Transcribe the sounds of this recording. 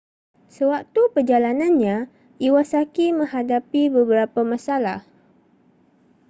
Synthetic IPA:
səwak̚t̪upərd͡ʒalanãnɲã | iwasakimə̃ɦadapibəbəɾapamãsala̰h

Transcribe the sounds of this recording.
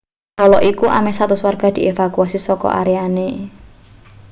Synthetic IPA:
kɔlɔʔikuʔa̰mesat̪ʊswarɡ̥a̤d̪̥i̤ʔefakuasisɔkɔ̰ʔa̰ɾeane

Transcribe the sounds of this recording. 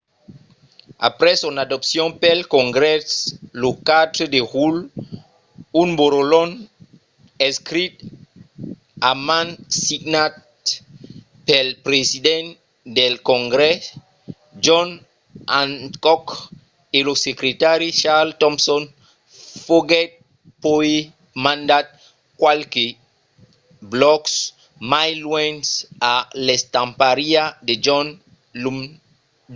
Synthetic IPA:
a̰pɾɛsɔ̃nadɔpsjɔ̃pɛlkɔ̃ŋɡɾɛslokat̪ɾdeʁul | unboɾolɔn | ɛ̃skɾit̪ | amãnsiɡnat | pɛlpɾezidɛ̃n | d̪ɛlkɔ̃ŋɡɾɛ | d͡ʒɔ̃n | ãnkɔk | elosekɾet̪aɾiʃaltɔmsɔ̃n | foɡɛt̚ | poe | mãndat̚ | kwalke | blɔks | majlwɛ̃nsalestãmpaɾiaded͡ʒɔn | lum

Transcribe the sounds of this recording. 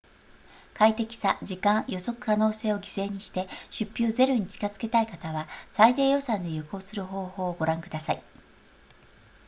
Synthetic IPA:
kait̪e̞kʲi̥sad͡ʑikãɰ̃jo̞so̞kɯ̟̥kano̞ːse̞ːo̞ɡʲi̥se̞ːɲ̟iɕi̥t̪e̞ɕɨpʲːjoːze̞ɾo̞ɲ̟it͡ɕi̥kazɨ̥ke̞t̪aikat̪aβasaid̪eːjo̞sãnd̪e̞jɯko̞ːsɨɾɯ̟ɦo̞ːho̞ːɡo̞ɾãŋkɯ̟d̪asai

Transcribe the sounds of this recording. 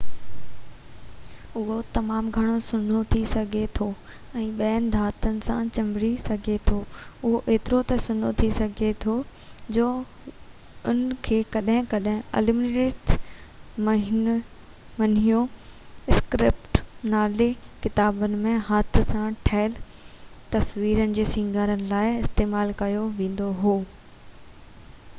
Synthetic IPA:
ʊɦot̪ɐmaːmɡʱɐɽ̃osʊnʱot̪ʰisɐɡʱet̪ʰo | ɛ̃ːɓɐːənɪ̆d̪ʱaːt̪ənɪ̆sã̰t͡ɕɐ̃mbɽisɐɡʱet̪ʰoːʊɦoʔeːt̪ɪɾot̪ɐsʊnot̪ʰisɐɡʱet̪ʰod͡ʑoː | ʊnkʰeːkɐɗɦɪ̃kɐɗɦɪ̃ɐ̰lɪmneːʈ | mɐɦɪn | mɐn̤ijõɪskɾɪpʈnaːlekɪt̪aːbənɪ̆mẽɦat̪ʰsãʈʰɐːɪl | t̪ɐsʋiːɾənɪ̆d͡ʑeːsĩːŋɡʱaːɾənɪ̆laːɪɪst̪eːmaːlkɐjoʋẽːn̆d̪oɦoː

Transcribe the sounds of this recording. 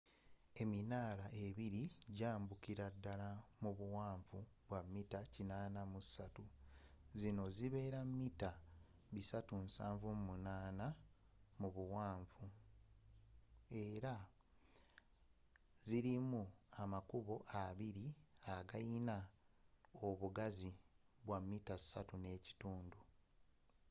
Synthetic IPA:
e̞minaːlaʔeβiɾiɟaːmbukiɾadːalamuβuwaːɱvuβwamːitacinaːnamusatuzino̞ziβe̞ːɾamːita | βisatunsa̰ːɱvumunaːna | muβuwaːɱvu | e̞ɾa | ziɾimuamakuβo̞ʔaβiɾiaɡajina | oβuɡaziβwamːitasatune̞ːci̥tuːndu

